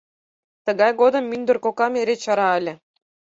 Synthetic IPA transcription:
t̪ɤ̆ɡɑjɡod̪ɤ̆mːynʲd̪ɘ̆rkokɑmʲeɾʲet͡ɕɑɾɑɘlʲɘ̆

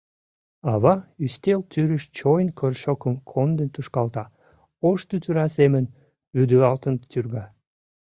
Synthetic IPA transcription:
ɑβɑyst̪elt̪yɾəʃt͡ɕojnkʰørʃokəmkʰond̪ənt̪uʃkɑlt̪ɑ | oʃt̪yt̪yɾɑsemən | βyd̪yɑlt̪ənt̪yrɣɑ

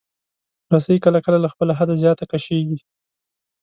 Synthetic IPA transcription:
ɾasajikəlakəlalaxpəlaɦad̪azjɑt̪akaʃeɡi

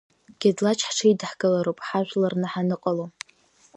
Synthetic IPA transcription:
ɡ̥ʲadlat͡ʃʰħʈ͡ʂʰaidħɡɨlaɾowpʼħaʒᶣʷlarnaħanɨqʼalo

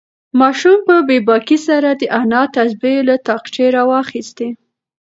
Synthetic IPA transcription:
mɑʃumpəbebɑkisaɾad̪əʔanɑt̪asbelat̪ɑqt͡ʃeɾɑwɑxist̪e

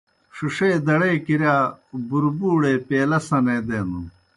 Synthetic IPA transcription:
ʂuʂeːd̪ɐɽeːkiɾjaːbuɾbuːɽeːpeːlɐsɐneːd̪eːnu

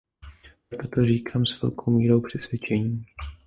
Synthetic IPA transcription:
t̪ot̪oriːkʰaːmsvɛ̰lkʰo̞wmiːɾo̞wpr̝̥ɛsvjɛt͡ʃɛɲiː

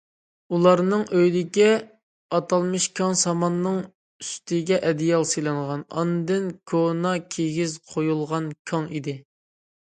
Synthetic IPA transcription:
ulˠɑɾnɨŋʔøjd̪ɪkʲɛ | ɑt̪ʰɑlˠmɨʃkʲʰɑŋsɑmɑnːɨŋ | yst̪ʰɪɡʲɛʔɛd̪ijɑlˠsɨlˠɨɴʁɑnɑ̰nd̪ɪnkʰonɑkʲʰeɡʲizqʰojulˠʁɑnkʲʰɑŋid̪ɪ

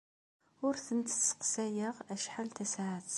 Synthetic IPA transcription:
ʊɾθənt̪ə̥sə̥qsæjəʁæʃħalt̪æsaʕət̪

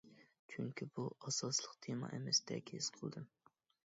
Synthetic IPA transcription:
t͡ʃʰyŋkʲibuɑsɑslˠəqd̪ʰemɑ̰ʔemɛsd̪ɛ̰kʲez̥qʰəlˠd̪ɨm

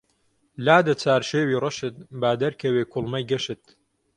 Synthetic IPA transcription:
laːd̪ɐt͡sʰaːɾʃeːwiːrɐʃɨt̪̚baːd̪ɐɾkʰɐweːkʰʊlˠmɐjɡɐʃɨt̪

